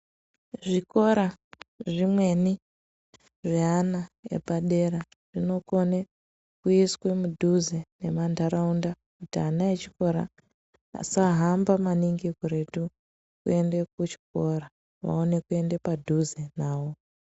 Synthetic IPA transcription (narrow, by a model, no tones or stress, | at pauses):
ʐiko̞ɾaʐimwe̞ni | ʐeɦanaḛpaɗe̞ɾa | ʐ̥ino̞ko̞ne | kuiswe̞mudʱuzene̞mandʱaɾaunda | kutianaet͡ʃi̥ko̞ɾa̰ | a̰saɦambamaniŋɡikoɾe̞tu | kue̞ndek̚ut͡ʃi̥k̚o̞ɾa | ʋa̰one̞kue̞ndepadʱuzenaːwo̞